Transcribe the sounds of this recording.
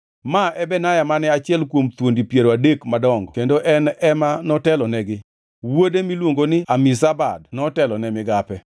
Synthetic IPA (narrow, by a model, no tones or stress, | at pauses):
maɛbɛnajamanɛat͡ʃɪɛlkwomt̪wondipjeɾoadekmadɔŋɡɔkendoʔɛnɛmanɔtɛlɔnɛɡɪ | wodemilwoŋɡonɪamɪsaba̰dnɔtɛlɔnɛmɪɡapɛ